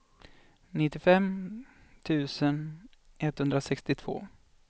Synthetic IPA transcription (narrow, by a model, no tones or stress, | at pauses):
nɪt̪ːɪfɛmː | t̪ʰʉ̟ːsən | ʔɛt̪hɵnd̪ɾasɛkst̪ɪt̪ʰv̥o̰ː